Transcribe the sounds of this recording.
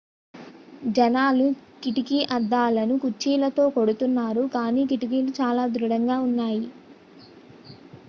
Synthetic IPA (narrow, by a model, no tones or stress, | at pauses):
d͡ʒɐnaːlukiʈikiʔɐd̪ːaːlɐnukut͡ʃːiːlɐt̪o̞ːkoɽut̪unːaːɾukaːniːkiʈik̬iːlut͡ʃaːlaːd̪ɾuɽɐŋɡaːunːaːji